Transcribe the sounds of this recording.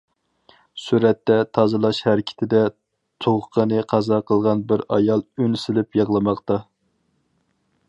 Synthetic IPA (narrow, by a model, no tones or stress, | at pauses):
suɾɛt̪ːɛt̪ʰɑzɨlˠɑʃhæɾɪkʲʰɪ̥t̪ʰɪd̪ɛ | t̪ʰoʁʊqʰənɨqʰɑzɑqʰəlˠʁɑnbɪɾɑjɑlˠynsɪlɪpjɑʁlˠɨmɑqt̪ɑ